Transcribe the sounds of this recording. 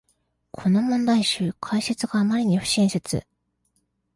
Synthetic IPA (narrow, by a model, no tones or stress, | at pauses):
kʰo̞no̞mõ̞nd̪aiɕɨːkʰaiset͡sɨɡaːmaɾʲiɲ̟iɸɯ̟̥ɕĩɰ̃set͡sɨ̰